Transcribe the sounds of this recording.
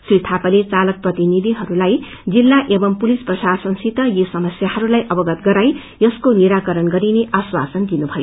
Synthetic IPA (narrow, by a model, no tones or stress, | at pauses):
srit̪ʰapalet͡salʌk̚prʌt̪inid̪ʱiɦʌɾulaj | d͡zilːaʔebʌmpulisprʌsasʌnsit̪ʌjosʌmʌsjahʌɾulajʔʌbʌɡʌt̪̚ɡʌɾaj | jʌskoniɾakʌɾʌnɡʌɾineʔaswa̰sʌnd̪inubʱʌjo